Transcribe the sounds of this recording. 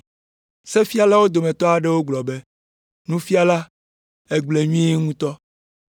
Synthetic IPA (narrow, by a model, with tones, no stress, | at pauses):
se˦fi˦a˦la˦wo˦d̪o˨mẽ˨t̪ɔ˦a˨ɖɛ˦wo˦ɡ͡blɔ˨be˦ | nũ˦fi˦a˨la˦ | e˦ɡ͡ble˨ɲũ˦e˦ŋũ˦t̪ɔ˦